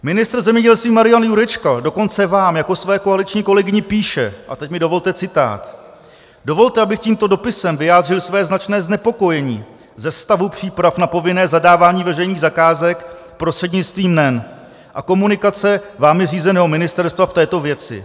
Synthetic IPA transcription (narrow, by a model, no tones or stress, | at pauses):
mɪnɪst̪ɾ̩zɛmɲɛɟɛlst̪viːmaɾɪjanjuɾɛt͡ʃkadoko̞nt͡sɛvaːmjako̞svɛːko̞alɪt͡ʃɲiːko̞lɛɡɪɲɪpiːʃɛ̰ʔa̰t̪ɛcmɪdo̞vo̞lt̪ɛt͡sɪt̪a̰ːt̪ | do̞vo̞lt̪ɛʔabɪxciːmt̪o̞do̞pɪsɛmvɪjaːd̪r̝ɪlsvɛːznat͡ʃnɛːznɛpo̞ko̞jɛɲiː | zɛst̪avupr̝̥iːpɾafnapo̞vɪnɛːzadaːvaːɲiːvɛrɛjniːɣzakaːzɛk | pɾost̪r̥ɛdɲɪt͡st̪viːmnɛn | ʔa̰ko̞munɪkat͡sɛvaːmjɛriːzɛnɛːɦo̞mɪnɪst̪ɛɾst̪vaft̪ɛːt̪o̞vjɛt͡sɪ̰